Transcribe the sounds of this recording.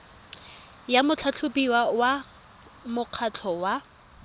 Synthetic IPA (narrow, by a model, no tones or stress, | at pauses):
jamʊt͡ɬʰat͡ɬʰʊpiwawa | mʊq͡χʰat͡ɬʰɔwa